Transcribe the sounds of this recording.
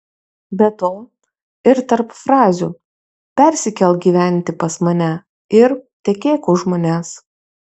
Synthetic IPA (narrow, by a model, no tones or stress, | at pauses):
bʲɛt̪oː | ɪɾt̪ɐɾpfɾɑːzʲu | pʲɛɾʲsʲɪkʲɛlˠɡʲiːʋʲæˑnʲt̪ʲɪpɐsmɐnʲæ | ɪɾt̪ʲɛkʲeːkʊʒmoːnʲæːs